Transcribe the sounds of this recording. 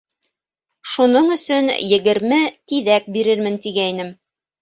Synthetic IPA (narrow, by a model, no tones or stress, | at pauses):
ʃunɤɴɵ̆sɵnjɘ̆ɡɘ̆ɾmɘt̪iðæk̚biɾɘɾmɘnt̪iɡæinɘm